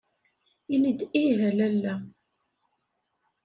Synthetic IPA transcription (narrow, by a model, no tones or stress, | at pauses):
inid̪iɦælælːæ